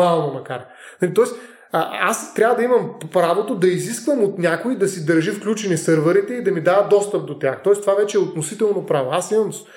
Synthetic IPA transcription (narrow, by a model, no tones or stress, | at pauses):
alˠnomɐkaɾ | nɐlʲit̪ɔɛs | əa̰st̪ɾʲavəd̪ɐimɐmpɾavot̪od̪ɐiziskvəmot̪nʲakoid̪ɐsid̪ɐɾʒifklʲut͡ʃɛnisɤɾvəɾit̪ɛid̪ɐmid̪avəd̪ɔst̪əp̚d̪ot̪ʲjaxt̪ɔɛst̪ovavɛt͡ʃɛːot̪nosit̪ɛlˠnopɾavoasimɐm